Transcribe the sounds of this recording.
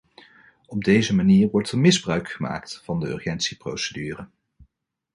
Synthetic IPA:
ɔb̚dejzəmaniːɹʋɔɹtəɹmɪzbrœɥkχəma̰ːktvɑndəœ̰ɹχɛntsipro̰wsədyːrə

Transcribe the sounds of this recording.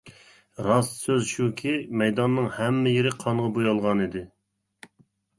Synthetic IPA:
ɾɑssøzʃukʲʰimɛjd̪ɑnːɨŋhɛmːɪjeɾɪqʰɑɴʁɑbojɑlˠʁɑnid̪ɪ

